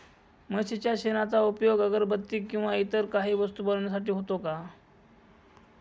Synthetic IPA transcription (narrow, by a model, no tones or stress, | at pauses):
məɕit͡ɕjaɕenat͡saupjoɡəɡəɾbət̪ːiːkːĩw̃ʋait̪əɾkaɦiːʋəst̪uːbəɽɳjas̬aʈiːɦot̪oka